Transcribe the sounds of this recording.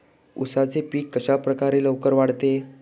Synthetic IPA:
ṵsat͡sepiːkːəɕapɾəkaɾeləwkəɾʋaɽt̪e

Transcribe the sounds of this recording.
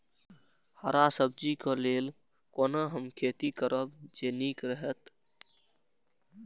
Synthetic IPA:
haɾasəb̚d͡ʒikɔleːl | konəɦəmkʰeːt̪ikəɾəbd͡ʒenikɾəɦət̪

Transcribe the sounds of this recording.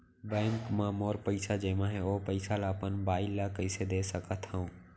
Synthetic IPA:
bɛ̃ːŋkmãmoːɾpəɪsad͡ʒeːmãɦeoːpəɪsalapənbaːɪlakəɪsed̪esəkʰət̪ʰɦəũː

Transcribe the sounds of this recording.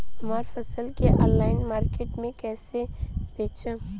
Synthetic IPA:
ɐmaːɾfɐsəlkeʔɔ̃ːnlaːɪnmaːɾkeːʈmẽkɛːsebeːt͡ʃə̃

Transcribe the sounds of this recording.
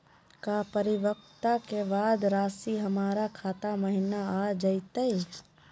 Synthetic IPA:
kapəɾɪʋək̚t̪akebaːd̪ɾaːsiɦɐmaːɾakʰaːt̪amɐɦɪnaaːd͡ʒɐit̪əi

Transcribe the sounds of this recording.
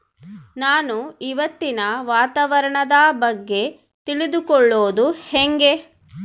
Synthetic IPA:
naːnuiʋɐt̪ːinɐʋaːt̪aːʋɐɾɐɳɐd̪aːbɐɡːe̞ | t̪iɭid̪ukɔɭːoːd̪uheŋɡe̞

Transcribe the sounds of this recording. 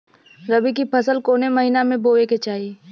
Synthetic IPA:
ɾɐbik̬ipʰɐsəlkoːnemɐɦiːnamẽboːʋeket͡ʃaːi

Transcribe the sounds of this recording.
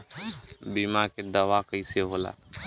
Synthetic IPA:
bimaked̪əʋakəiseɦola̰ː

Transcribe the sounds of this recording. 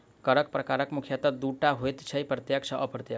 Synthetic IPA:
kəɾək̚pɾɐkaːɾəkmʊkʰjət̪əd̪uʈaɦojt̪t͡ʃʰɐjpɾət̪jəkt͡ʃʰəʔəpɾət̪jə

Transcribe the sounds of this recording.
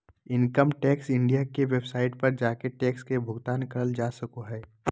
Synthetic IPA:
ɪnkəmʈɛːksɪ̃ɳɖijakeʋeːbsaːɪʈ̚pɐɾd͡ʒaːkeʈɛːkskebʱʊɡt̪aːnkɐɾəld͡ʒaːsɐkoɦɛː

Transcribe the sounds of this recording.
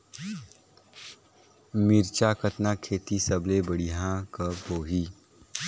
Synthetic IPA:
miɾt͡ʃakət̪nakʰeːt̪isəblebəɽiɦãkəboːɦi

